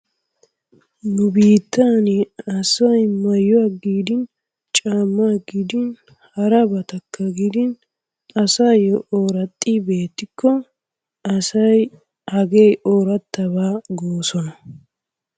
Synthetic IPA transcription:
nʊbiːt̪ːaːnɪɐsɐjmɐjːɔaɡiːd̪ɪn | t͡ʃʼaːmːaɡid̪ɪn | hɐɾɐbɐt̪ɐkːɐɡɪd̪ɪn | ɐsajɔʔoːɾɐt̪ʼːibe̞ːt̪ːɪkːɔ | ɐsɐj | hɐɡejoːɾɐt̪ːɐβaːɡoːsɔnɐ

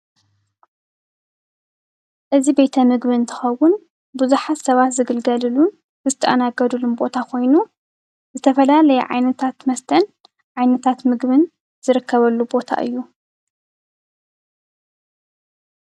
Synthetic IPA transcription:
ʔɨzibe̞t̪ʰɐmɨɡbɨɨnt̪ʰɐ̥xɐwʊn | buzuħat̪sɐβat̪zɨɡɨlɡɐlɨlun | bɨzɨt̪ʰɐʔɐ̰naɡɐd̪ulunbo̞t̪ʰakʰo̞jnu | zɨt̪ʰɐfɐlalɐjɛ̰ʕa̰jnɐt̪ʰat̪mɐst̪ʰɐn | ʕajnɐt̪ʰat̪mɨɡbɨn | z̥ɨɾɨkʰːɐβɐlːubo̞t̪ʰa̰ʔɨ̰jːu

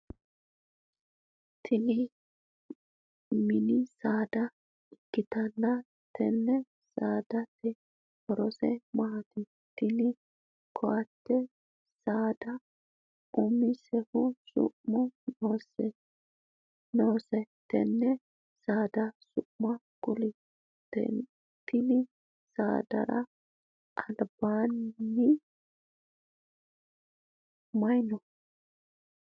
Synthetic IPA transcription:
t̪ʰɪnɪ | mɪnɪsaːd̪ɐ | ɪkːɪt̪ɐnːɐ | t̪ʰɛ̰nːɛ | saːd̪ɐt̪ɛ | hɔɾɔsɛ̰mat̪ɪ | t̪ɪnɪ | kʰɔʔɐt̪ːɛ | saːd̪ɐ | ʊmɪsɛhʊsʊ̰ʔmɔsɛ | noːsɛt̪ːɛ̰nːɛ | saːd̪ɐsʊʔmɐ | kʊlɪ | t̪ːɛ̰ | t̪ːɪnɪ | sa̰ːd̪ɐ̰ɾɐ | ʔɐlbaːnːɪ | mɐjnɔ

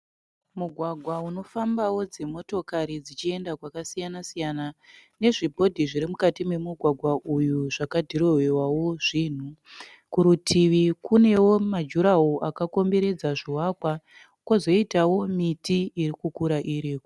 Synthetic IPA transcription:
muɡʱwaɡʱwauno̞fambawo̞d͡ze̞mo̞to̞kaɾid͡zit͡ʃie̞ndakwakasijanasijanane̞ʐibʱo̞dʱiʐiɾimukatimwe̞muɡʱwaɡʱwaʔujuʐakadʱiɾo̞ɦewawoʐiːn̤u | kuɾutʰiʋikune̞wo̞mad͡ʒuɾaoʔakako̞mbe̞ɾe̞d͡zaʐiwaːkwa | kwozo̞itawo̞mitiːrikukuɾaʔiɾiːko̥

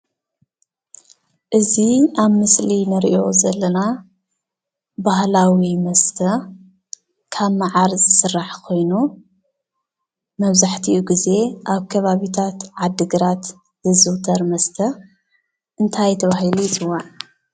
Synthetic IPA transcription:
ʔɨziaβmɨslinɨɾḭʔo̞zɐlːɐna | bahlawimɐst̪ʰɐ | kʰaβmaʕaɾzɨsɨrːaħkʰo̞jnu | mɐβzaħt̪ʰiʔuɡize̞ʔaβkʰɐβaβit̪ʰat̪ʕad̪ːɨɡɨɾat̪ | zɨzɨwt̪ʰɐɾmɐst̪ʰɐ | ʔɨnt̪ʰajt̪ʰɐβaɦilujɪt̪ɨwaʕ

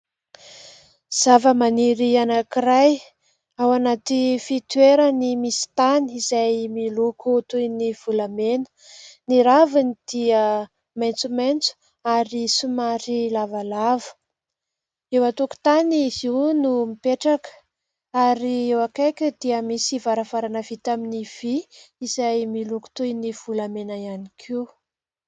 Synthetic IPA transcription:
z̥avəmaniɾianakiraj | awanat̪ifit̪weɾənimisi̥t̪aniizajmilukut̪ujniv̥ulamenə̥ | niɾavinid̪̥iə | majnt͡sumajnt͡su̥ | aɾisumaɾilavalavə̥ | ewat̪uku̥t̪aniziwnumipeʈ͡ʂakə̥ | aɾiewakajkʲəd̪iəmisivaɾəfaɾanəv̥it̪aminiv̥iizajmiluku̥t̪ujniv̥ulamenaianikʰiw

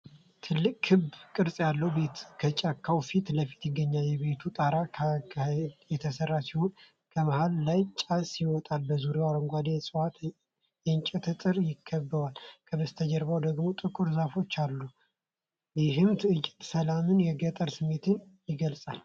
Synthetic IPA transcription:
t̪ʰɨlːɨkʼʰːɨbkʼɨɾsʼjalːəhwbet̪kʰət͡ʃʼakʰːawfit̪ləfi̥t̪jɪɡːəɲːaljɛβe̞t̪ʰut̪ʼaɾa | jɛt̪ʰəsərːasiho̞n | kʰəməhalːajt͡ʃʼasiwɔt̪ʼalbəzuɾewaɾəŋɡʷad̪esʼɨwat̪ | jɛɨnt͡ʃʼɛt̪ʰɨt̪ʼɨɾjɪkʰːəbːəwalkʰəbəst̪ʰəd͡ʒəɾbawd̪əɡmo̞t̪ʼɨkʼuɾzafo̞t͡ʃːalːu | jɪɦɨmt̪ʰɨɨt͡ʃʼːɛ̥t̪səlamɨnjɛɡət̪ʼəɾsɨmːe̞t̪ʰɨnjɪɡəlsʼal

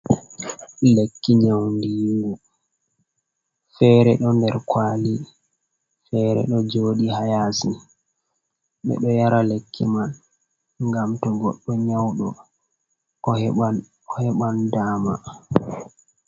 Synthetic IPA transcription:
lekːiɲawndiːŋɡu | fɛɾɛɗɔndɛɾkwaːli | fɛɾɛ̰ɗɔd͡ʒoːɗihajasin | ɓɛ̰ɗɔjaɾalekʰːiman | ŋɡamtɔɡɔ̰ɗːɔɲawɗɔ | a | ɔhɛɓandaːma

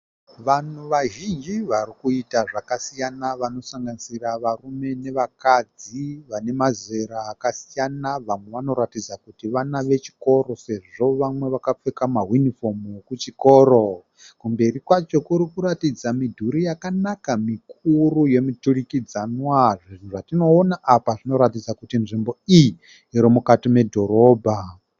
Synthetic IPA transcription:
ʋan̤uʋaʒind͡ʒiʋarikuitaʐakasijanaʋano̞saŋɡanisiraʋarume̞ne̞ʋakad͡ziʋane̞maze̞ɾaːkasijanaʋamwe̞ʋano̞ɾatid͡zakutiʋanaʋe̞t͡ʃi̥ko̞ɾo̞se̞ʐo̞ʋamwe̞ʋakap͡fekamaɦunifo̞mkut͡ʃiko̞ːɾo̞ | kumbe̞rikwat͡ʃo̞kuɾikuɾatid͡zamidʱuɾijakanakamikuruje̞miturikid͡zanwaʐin̤uʐatino̞ːnaʔapaʐino̞ɾatid͡zakutinʐimbo̞iji | iɾimukatime̞dʱo̞ɾo̞ːbʱa

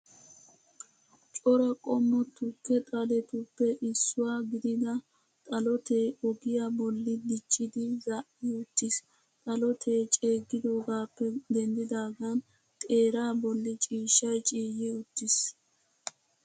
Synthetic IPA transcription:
t͡ʃʼɔɾɐkʼɔmːɔt̪ːʊkːɛt̪ʼɐlɛt̪ʊpːɛʔɪsːʊwaːɡɪd̪ɪd̪ɐ | t̪ʼɐlɔt̪eːɔɡɪjabɔlːɪd̪ɪt͡ʃʼːɪd̪ɪzɐʔɪʊt̪ːɪs | t̪ʼɐlɔt̪ʰeːt͡ʃʼe̞ːɡːɪd̪o̞ːɡaːpːɛd̪ɛnd̪ɪd̪aːɡan | t̪ʼe̞ːɾaːbɔlːɪt͡ʃʼiːʃːɐjt͡ʃʼiːjɪʊt̪ːɪs

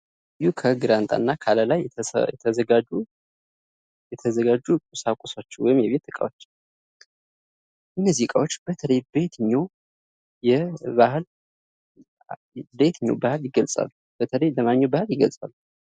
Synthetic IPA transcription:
jukʰəɡɨɾant̪ʼa̰nːakʰaləlaj̰ɛt̪ʰəɡau | ɛt̪ʰəzəɡad͡ʒukʼusakʷʼusat͡ʃːɛwɔjɪmjɛβet̪ːɨkʼa̰wot͡ʃː | ʔɨnːəzihkʼawot͡ʃːb̥ət̪ʰələjbe̞t̪ɲːo̞ | jɛbahl | bet̪ʰɨɲːowbahɨljɪɡəlsʼa̰lːub̥ət̪ʰələjləmaɲːobahɨljɪɡəlsʼa̰lːu

